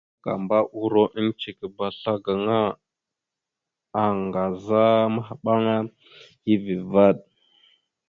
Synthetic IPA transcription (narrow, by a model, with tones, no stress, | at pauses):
ka̰˨mba˦ʔu˦ɾo˦ʔi˦n˦t͡ʃi˨ki˨ba˨ɬa˦ɡa˨ŋa˦ | a˨ŋɡa˨za˦ma˦ɦa˨ɓa˦ŋa˦ | ji˦vi˨va˦˨ɗ̚